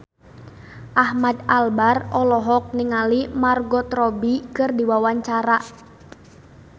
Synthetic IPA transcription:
ʔahmad̪albarɔlɔɦɔk̚niŋalimarɡɔt̪ɾɔbikɨrdiwawaɲt͡ʃaɾa

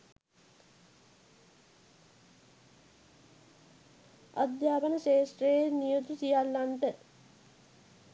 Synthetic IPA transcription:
a̰d̪jaːpənəʃeːsʈrejenijot̪usijalːanʈə

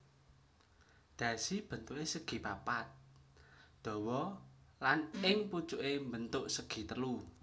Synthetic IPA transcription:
d̪̥ä̤sib̥ə̤nt̪uʔesəɡ̥i̤papat̪̚ | d̪̥ɔ̤wɔlanɪŋput͡ʃuʔembənt̪ʊʔsəɡ̥i̤t̪əlu

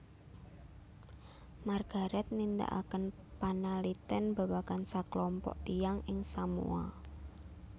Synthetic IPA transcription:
marɡ̥a̤ɾɛt̪̚nind̪a̰ʔa̰kən | panalit̪ɛnb̥a̤wakansaklɔmpɔ̰ʔt̪ijaŋɪŋsamṵa̰

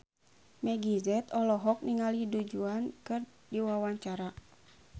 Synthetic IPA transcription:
mɛɡizɛt̪ɔlɔɦɔk̚niŋalidud͡ʒuankɨr | diwawaɲt͡ʃaɾa

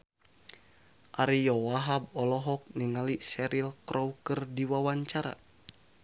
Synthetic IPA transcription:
ʔaɾijɔwaɦab̚ɔlɔɦɔk̚niŋalisɛɾilkɾʔɔwkɨrdiwawaɲt͡ʃaɾa̰

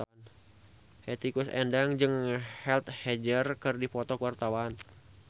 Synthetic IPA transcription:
n | hɛt̪ikusɛ̰ndaŋd͡ʒɨŋhɛlt̪hɛd͡ʒərkɨrdifɔt̪ɔkuwart̪awan

